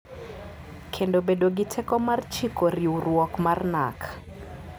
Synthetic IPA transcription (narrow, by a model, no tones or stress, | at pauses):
kʰendobedoɡitʰɛkɔmart͡ʃikoɾiurwɔkmarna̰kʰḁ